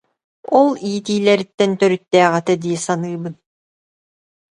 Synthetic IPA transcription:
ɔlˠiːt̪iːlɛɾit̪ːɛnt̪œɾyt̪ːɛːʁɛt̪ɛd̪iːsanɯːbɯn

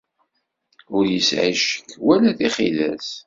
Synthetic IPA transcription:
ʊɾjəsʕiʃə̥kːwælæθiχḭðæ̰s

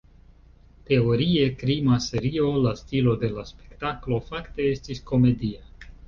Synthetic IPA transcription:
te̞o̞ɾie̞kɾimase̞ɾio̞lastilo̞de̞laspe̞̥ktaklo̞fakte̞e̞stisko̞me̞dia

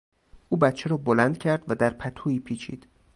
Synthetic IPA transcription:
ʔuːbæt̪t͡ʃʰeɾɒːbolænd̪̥cʰæɾd̪væd̪æɾpʰæt̪ʰuːiːpʰiːt͡ʃʰḭːd̪̥

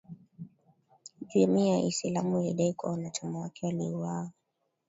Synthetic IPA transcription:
d͡ʒuɛmiaʔḭsilamulḭɗaikwa̰wanat͡ʃamawakɛwaliuwaa

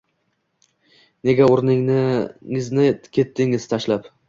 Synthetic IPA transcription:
ne̞ɡʲaoɾnɪŋnɪŋɪznɪkʲʰe̞t̪ʰːɪŋɪzt̪ʰaʃlap

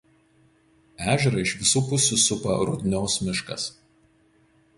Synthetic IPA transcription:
æːʒʲɛɾɐɪʃʲʋʲɪsuːpʊsʲuːsʊpɐ̰ɾʊd̪ʲnʲoːsmʲɪʃkɐ̰s

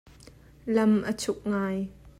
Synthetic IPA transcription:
lɐmʔət͡sʰʊk̚ŋaːj

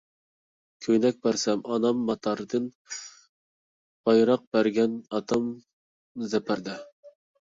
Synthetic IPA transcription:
kʲʰøjnɛk̚ʲbæɾsɛmɑnɑmːɑt̪ʰɑɾɨd̪ɨn | b̥ɑjɾɑq̚b̥æɾɡʲɛnɑt̪ʰɑm | zɛpʰæɾd̪ɛ

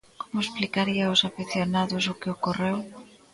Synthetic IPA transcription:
komʊesplikaɾiaʊsafiθjonaðʊsʊkɪokorew

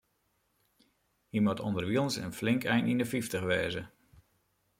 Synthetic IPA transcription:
himɔtʰɔ̰ndərʋilˠnsə̰nflɪŋkɛjnindəfiftəxʋɛːzə

